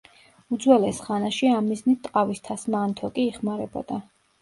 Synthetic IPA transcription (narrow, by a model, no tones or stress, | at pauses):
ud̪zwɛlɛsχanaʃiamːiznit̪ʰt̪ʼqʼavist̪ʰasmaːnt̪ʰɔkʼiːχmaɾɛbɔ̰d̪̥a